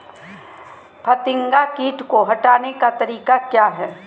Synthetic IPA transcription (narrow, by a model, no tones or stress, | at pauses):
pʰɐt̪ɪ̃ŋɡakiːʈkoɦɐʈaːnekat̪ɐɾiːkakjaːɦɛː